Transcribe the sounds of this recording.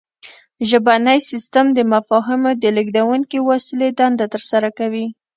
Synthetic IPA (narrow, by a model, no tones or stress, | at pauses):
ʒəbanəjsist̪amd̪əmafɑɦɪmod̪əlɪɡd̪awunkiwasiled̪and̪at̪əɾsaɾakawi